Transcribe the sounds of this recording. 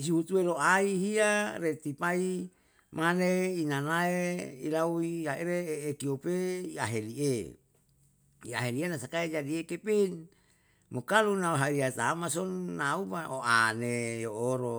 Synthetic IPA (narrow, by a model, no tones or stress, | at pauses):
is̬ihut̪ueloʔaiɦiaɾet̪ipai | maneinanaeilauiaeɾeeːkiopeia̰ɦelie | ia̰ɦelienasakaed͡ʒadiekepen | mokalunauɦaiɾiat̪amasonːaumaʔoʔanejooɾo